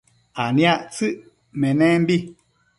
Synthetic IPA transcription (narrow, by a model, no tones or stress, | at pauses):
anĩaʔt͡sɨʔ | mɛ̃nɛ̃mbi